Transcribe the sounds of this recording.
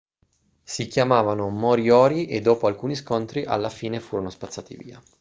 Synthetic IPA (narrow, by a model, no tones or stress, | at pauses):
sikjamaːvanomoɾiɔːɾiʔed̪ːoːpoalkuːniskont̪ɾiʔa̰lːafiːnefuːɾonospat̪sːaːt̪ḭvḭːa